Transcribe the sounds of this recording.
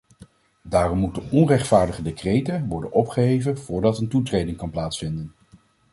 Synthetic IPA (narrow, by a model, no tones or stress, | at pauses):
daːrɔmːutəɔnrɛχtfaːɹdəχədekrejtəʋɔɹdə̰nɔpχəɦejvənv̥ʊːɹdɑtəntutrejdɪŋkɑnplaːtsfɪndən